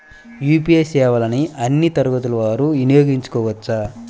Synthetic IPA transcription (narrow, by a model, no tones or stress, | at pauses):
juːpijesɛːʋɐlɐniɐnːit̪ɐɾuɡɐt̪̬ulɐʋaːɾuʋinijoːɡiɲt͡ʃu̥kɔːʋɐt͡ʃːa